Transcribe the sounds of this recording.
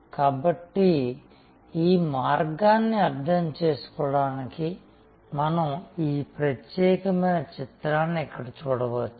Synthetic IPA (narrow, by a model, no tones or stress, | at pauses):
kaːbɐʈːi | iːmaːɾɡaːnːiɐɾd̪ʱɐmt͡ʃeːsu̥kɔːɽaːniki | mɐnɐmiːpɾɐt̪jɛːkɐmɐjnɐt͡ʃit̪ɾaːnːiɛkːɐɽɐt͡ʃuːɽɐʋɐt͡ʃːu